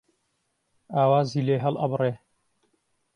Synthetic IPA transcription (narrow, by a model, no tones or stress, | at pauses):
aːwaːziːleːɦɐlʔɐ̰breː